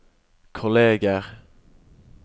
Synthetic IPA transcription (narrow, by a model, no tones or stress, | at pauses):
kʰʊleːɡəʁ